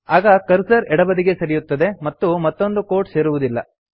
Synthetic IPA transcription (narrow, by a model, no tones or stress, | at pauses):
aːɡɐkɐɾsɐɾɛɽɐbɐd̪iɡe̞sɐɾijut̪ːɐd̪e̞mɐt̪ːumɐt̪ːo̞nd̪uko̞ːɾʈse̞ːɾuʋud̪ilːɐ̰